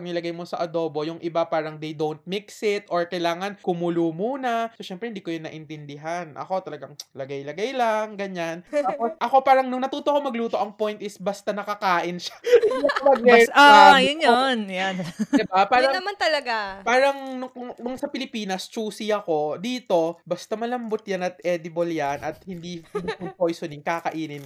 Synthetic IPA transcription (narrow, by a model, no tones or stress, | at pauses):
ɐnɪlɐɡajmo̞sɐʔɐd̪o̞ːbo̞jʊŋʔɪbapaːɾɐŋd̪ɐjd̪ownt̪̚mɪksɪt̪ʔoɹkɐjlaːŋɐnkʊmʊluːmuːnɐsoʃɛmpɾɛhɪnd̪iːkojʊnːɐʔɪnt̪ɛnd̪ɪɦanʔɐ̰ko̞t̪ɐlɐɡaŋlɐɡajlɐɡajlɐŋɡɐɲanaːposʔɐko̞paːɾɐŋnʊŋnɐt̪uːt̪okomɐɡluːt̪o̞ʔɐŋpojnt̪ʔɪsbɐst̪anɐkɐkaːʔɪnʃḁɪɐklɐɡɛajʊnjonjand̪ɪbapaːɾɐɐmant̪ɐlɐɡapaːɾɐŋnʊŋnʊŋsɐpɪlɪpiːnɐst͡ʃuːsɪɐko̞d̪iːt̪o̞bɐst̪ɐmɐlɐmbot̪̚janɐt̪̚ɛːd̪ɪboljanʔɐt̪̚hɪnd̪inpɪmpojsonɪŋkɐkɐʔiːnɪn